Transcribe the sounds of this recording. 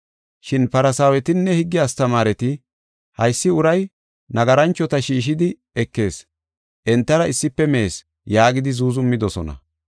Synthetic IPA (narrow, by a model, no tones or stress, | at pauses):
ʃɪnpɐɾɐsaːwɛt̪ɪnːɛhɪɡːɪjaːst̪ɐmaːɾɛt̪ɪ | hɐjsːɪʊɾɐj | nɐɡɐɾɐnt͡ʃːɔt̪ɐʃiːʃ̬ɪd̪ɪ | ɛkːe̞ːs | ʔɛnt̪ːɐɾɐɪsːɪpːɛmeːs | jaːɡɪd̪ɪzuːzʊmːɪd̪ɔsɔnɐ̰